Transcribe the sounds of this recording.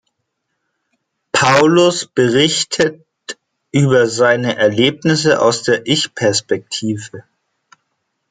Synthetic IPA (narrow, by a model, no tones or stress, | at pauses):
pʰaʊlʊsb̥əʁɪçtʰət | ʔyːbɐzaɪnəʔɛɐleːpnɪsəʔa̰ʊsd̥eːɐʔɪçpʰɛɐspɛk̚tʰiːvə